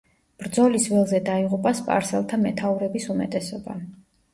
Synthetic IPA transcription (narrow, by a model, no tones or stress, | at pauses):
b̥ɾd̪zɔlisvɛlˠzɛd̪aiʁupʼaspʼa̰ɾsɛ̰lˠt̪ʰamɛt̪ʰauɾɛbisumɛt̪ʼɛsɔba̰